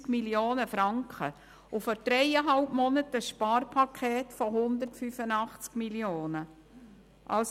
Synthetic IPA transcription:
kmiljoːnəfɾɑŋkχə | ʊfɔɾd̥ɾɛɪəɦɑlpmɔnətəsʃpɑːɾpʰɑkʰeːtfɔɦʊnd̪ərtfyfənɑχt͡skmiljoːnə | ʔɑls

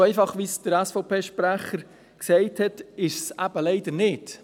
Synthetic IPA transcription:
ɛɪfɑχʋisd̥əɾæsfoʊpʰeːʃpɾæχəɾ | ksɛɪthɛtɪʃsæb̥əlɛɪd̥̪əɾnɪt

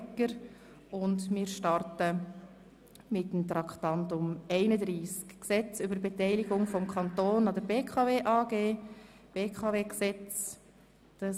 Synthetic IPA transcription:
kəɾ | ʊndmɪːɾʃtɑrtə | mɪtəmt̪ɾɑkχtɑntʊmɛɪnəd̪ɾiːskːsɛt͡sʏbəɾbɛtɛɪlɪɡʊŋfɔmkʰχɑntoːnɑd̪əɾbeːkʰɑveːʔɑːɡeː | b̥eːkʰɑveːksɛt͡s | d̥ɑ

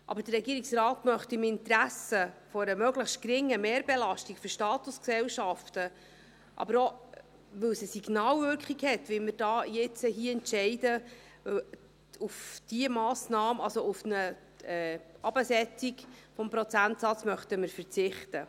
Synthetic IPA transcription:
ʔɑ̰bəɾdərːɛɡiːɾiksɾɑːtmœχtɪmɪntɾæsəfɔɾəmœɡləχstkɾɪŋːəmeːɾbɛlɑʃtikfyɾʃtɑːtusksɛwʃɑftə | ʔɑ̰bəɾo | ʋɵwsəsiɡnɑːwvʏɾkχiɡhɛt̪ʋɪlmɪɾd̥ɑːjɪt͡səɦiəɛntʃɛɪdə | ufd̥iəmɑːsnɑːməɑlsoufnə | ɛːɑb̥əsɛt͡siɡfɔmpɾɔt͡sæntsɑt͡smœχtəmɪɾfəɾt͡sɪχtə

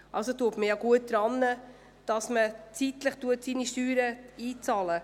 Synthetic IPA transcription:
ʔɑlsotuətməjɑɡuət̚d̥ɾɑnːə | d̥ɑsmət͡sit̪ləχtuətsiːniʃtyːɾəiːt͡sɑːlə

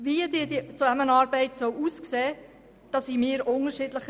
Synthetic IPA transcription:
viədɪːdit͡suamənɑːɾbɛɪtsœwʔuːskseː | d̥ɑsiːmɪːəɾʔʊnəɾʃɪdləχ

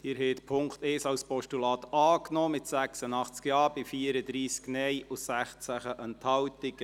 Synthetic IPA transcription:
hiɾhɛːt̪pʰʊŋkt̪eːsɑwspɔʃtulɑːt̪ɑːknɔːmɪtsæksənɑχt͡skjɑːb̥ɪfiːəɾəd̪ɾiːsknɛjʔʊsæχt͡sæχəʔənt̪ʰhɑwt̪ɪɡ̥

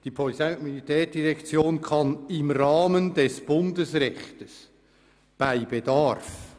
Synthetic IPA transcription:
d̥ipʰɔlitajmilitʰɛːɾd̥iɾɛkt͡sjoːnkʰɑnɪmɾɑːməndɛsb̥ʊndəsrɛxtəs | b̥aɪbedaɾf

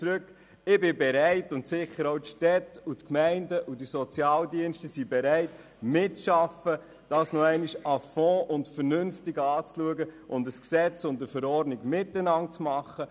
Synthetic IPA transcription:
t͡sɾøk | ɪbɪbɛɾæɪtʊntsɪχəɾoʊtʃtɛtutkmæɪndəʔudisɔt͡sjɑːldiənʃtəsibɛɾɛɪt | mɪtːʃɑfə | d̥ɑːsnoɛɪniʃɑfɔ̃ːʔʊntfəɾnʏnftɪɡɑːt͡sluəɡəʔʊndəsksɛt͡sʊntəfəɾɔrdniɡmɪtːənɑnt͡smɑχːə

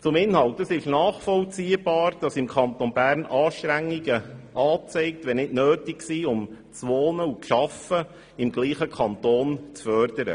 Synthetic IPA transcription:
t͡sʊmɪnhɑltdəsɪʃnɑːχfɔlt͡siːəb̥ɑːɾd̥ɑsɪmkʰɑntonbæːɾnɑːʃt̪ɾæŋːiɡəʔɑːt͡sɛɪk̚tʋɛnɪdnøːtɪksiːʊm | t͡sʋɔːnəuʃɑfə | ɪmɡliːχəkʰɑnt̪oːnt͡sfœːɾd̥əɾə̰

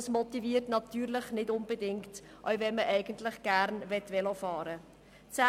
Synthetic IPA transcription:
smɔtiviːərtnɑt̪yːɾlɪχnɪdʊnb̥ədɪŋkt | ʔœ̰ɥvɛnməʔɛɪɡ̥əntlɪχɡ̥æɾnvɛtʋɛlofɑːɾə | t͡sæ

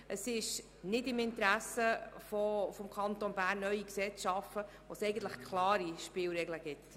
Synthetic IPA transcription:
ʔəsɪʃ | nɪdɪmɪntɾæsəfɔfɔmkʰɑnt̪onbæːɾnːœʏiksɛt͡sʃɑfə | ʋosɛɪɡəntləχkʰlɑːɾiʃpɪːlɾɛɡləɡɪt̪

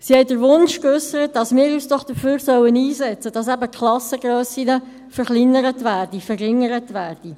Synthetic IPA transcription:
sihɛɪdəɾʋʊnʃkøsəɾət̚d̥ɑsmɪːɾyːsd̥ɔχd̥əføːɾsœwəniːsɛt͡səd̥ɑsæbəkχlˠɑsəɡɾøːsinə | fəɾχlinəɾətʋæːrd̥ifərɪŋəɾətʋæːrd̥i

